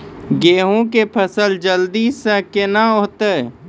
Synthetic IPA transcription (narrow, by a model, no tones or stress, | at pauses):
ɡeːɦõkepʰəsəld͡ʒəld̪iːsə̃kenaoːt̪e